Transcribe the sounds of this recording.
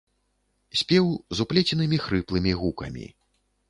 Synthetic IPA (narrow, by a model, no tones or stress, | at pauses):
sʲpʲɛwzuplʲɛt͡sʲinɨmʲixɾɨplˠɨmʲiɣukɐ̰mʲḭ